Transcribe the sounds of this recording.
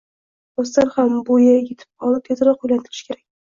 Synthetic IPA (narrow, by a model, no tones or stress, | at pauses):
ɒst̪aɾhambojajʲet̪ʰɪ̥p̚ɒlˠɪp̚t̪ʰezaɾɒqojlant̪ʰɪɾɪ̥ʃkʰʲe̞ɾakʲ